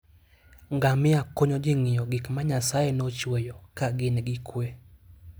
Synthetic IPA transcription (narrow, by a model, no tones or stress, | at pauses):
ŋɡamɪakoɲɔd͡ʒeŋɪjɔɡɪkmaɲasaɛnot͡ʃwɛjɔkaɡɪnɡɪkʰwe